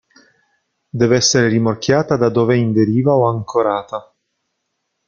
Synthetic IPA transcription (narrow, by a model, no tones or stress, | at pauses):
d̪ɛːvɛsːeɾeɾimorkjaːt̪ad̪ad̪oːveind̪eɾiːvaoaŋkʰoɾaːt̪a